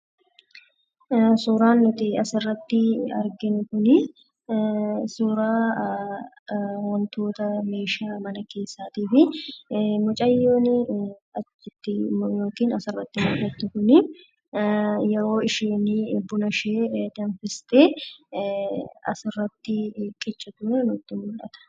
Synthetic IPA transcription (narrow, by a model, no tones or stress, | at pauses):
suːɾaːnːʊt̪ɪɐsɪrːɐt̪ːɪɐ̰ɾɡɪnʊkʊnɪ | suːɾaː | wɔnt̪o̞ːt̪ɐme̞ːʃaːmɐnɐke̞ːsːaːt̪iːfɪ | mɔt͡ʃʼɐjːoːnɪɐt͡ʃːɪt̪ːɪjo̞ːkiːnɐsɪrːɐt̪ːɪmʊːʔɐt̪ːʊkʊnɪ | jɛɾo̞ːɪʃeːnɪbʊnɐʃeːd̪ɐnfɪst̪e | ɐ̰sɪrːɐt̪ːɪkʼɪt͡ʃʼːɐd̪uːɾɐnʊt̪ːɪmʊlʔɐt̪ɐ̥